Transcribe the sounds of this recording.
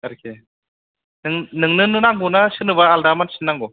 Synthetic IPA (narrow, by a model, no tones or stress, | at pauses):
aɾkʰe | nɯŋnɯŋnɯnɯnaŋɡunasɯnɯβaːldamansɯnːaŋɡɔ